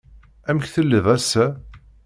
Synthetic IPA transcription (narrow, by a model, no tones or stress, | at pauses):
æmçθəlːiðˤæsːæ